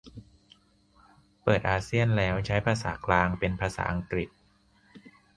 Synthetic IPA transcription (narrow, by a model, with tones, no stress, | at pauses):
pɤː˨˩t̪̚ʔaː˧si˥˩ənlɛː˦˥wt͡ɕʰa˦˥jpʰaː˧sa̰ː˩˦klaː˧ŋpe˧npʰaː˧sa̰ː˩˦ʔa˧ŋkɾi˨˩t̪̚